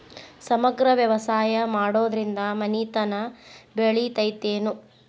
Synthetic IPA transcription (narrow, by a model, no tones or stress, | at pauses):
sɐmɐɡɾɐʋjɐʋɐsaːjɐmaːɽoːd̪ɾind̪ɐmɐniːt̪ɐnɐbeɭit̪ɐjt̪eːnu